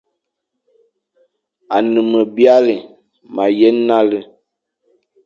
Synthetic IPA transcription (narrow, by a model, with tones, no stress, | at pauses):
a˨nɨ˨mə˨bi˦a˦li˨ | ma˨jɛ˦na˦lə˦